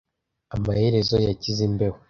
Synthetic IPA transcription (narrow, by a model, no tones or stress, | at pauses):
amahe̞ɾe̞zo̞jacizimbe̞ho